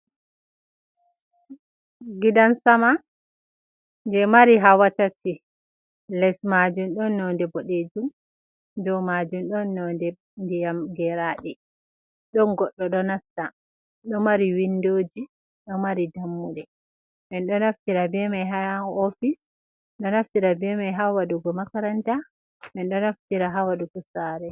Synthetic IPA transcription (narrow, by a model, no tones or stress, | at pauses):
ɡidansama | nd͡ʒɛmaɾiɦawatatʰi | lɛsmad͡ʒumɗɔnːɔndɛboɗed͡ʒum | dɔmad͡ʒumɗɔnːɔndɛ | ndijamɡɛɾaɗɛ | ɗɔnɡɔɗːɔɗɔnasta | ɗɔmaɾiwindoːd͡ʒi | ɗɔmaɾidamːuɗɛ | mɛnɗɔnaftiɾabɛmajɦaofis | ɗɔnaftiɾabɛmajɦawaɗuɡɔmakaɾanta | mɛnɗɔnaftiɾaɦawaɗuɡɔsaːɾɛ